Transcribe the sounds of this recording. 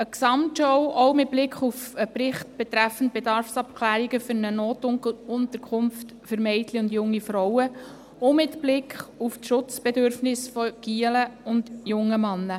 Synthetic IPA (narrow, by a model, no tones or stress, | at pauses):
əksɑmtʃɔwʔɔʊmɪt̚b̥lɪkχufəpɾɪχt̚b̥ɛt̪ɾæfən̩t̚b̥ɛdɑɾfsɑp̚kʰlæːɾiɡəfʏɾnənoːtʊntəɾkʰʊmft | fəɾmɛɪtliʊndjʊŋːifɾɔwə | omɪtb̥lɪkχuftʃʊt͡sb̥ɛdøɾfnɪsfɔɡ̥iələʊnd̥jʊŋːəmɑnːə